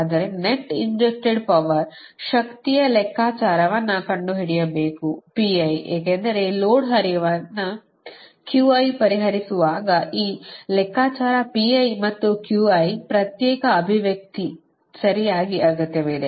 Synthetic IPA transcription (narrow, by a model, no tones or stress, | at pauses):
and̪ɐɾeneʈːiɲd͡ʒesʈeɖpɐʋɐɾ | ʃɐkt̪ijɐlɛkʰːaːt͡ʃaːɾɐʋɐnːɐkɐɳɖuɦiɽijɐbe̞ːkupiɐjeːkeːnd̪ɐɾe̞loːɽɦɐɾjɐʋɐnːɐ | kjuːɐjpɐɾiɦɐɾisuʋaːɡɐʔiːlɛkːaːt͡ʃaːɾɐpiɐjmɐt̪ːukjuːɐjpɾɐt̪jɛːkɐːbʱiʋjɐk̚t̪i | sɐɾijaːɡiʔaːɡut̪ːeʋeːd̪e